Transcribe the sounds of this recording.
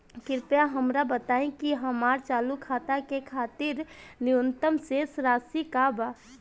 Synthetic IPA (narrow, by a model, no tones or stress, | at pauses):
kɪɾpjaɦəmɾabət̪aẽkiɦəmaɾt͡ʃalukʰat̪akekʰat̪iɾniunt̪əmsesɾasikaba